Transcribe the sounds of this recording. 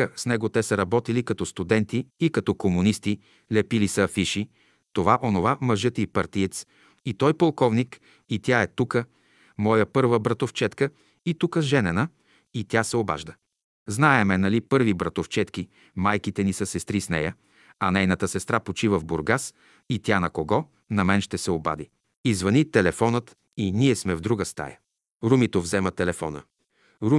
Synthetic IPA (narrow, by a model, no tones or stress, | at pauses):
əsnɛɡot̪ɛsəɾɐbɔt̪ilikɐt̪ɔst̪ud̪ɛnt̪iːkɐt̪ɔkomunist̪i | lɛpilisəːfiʃi | t̪ovaʔonovaməʒɤt̪ipɐɾt̪iɛt̪s | it̪ɔjpolˠkɔvnik | it̪jaɛt̪ukə | mɔjəpɤɾvəbɾɐt̪oft͡ʃɛt̪kə | it̪ukəʒɛnɛnə | it̪ʲjasɛoba̰ʒd̪ə | znaɛmɛnɐlipɤɾvibɾɐt̪oft͡ʃɛt̪ki | majkit̪ɛnisəsɛst̪ɾisnɛ̰jə | ɐnɛjnət̪əsɛst̪ɾapot͡ʃivəvboɾɡas | it̪ʲanɐkoɡɔ | nɐmɛnʃt̪ɛsɛoba̰d̪i | izvɐnit̪ɛlɛfɔnət̪ | iniɛsmɛvd̪ɾuɡəst̪a̰jə | ɾumit̪ovzɛmət̪ɛlɛfɔ̰nə̰ | ɾu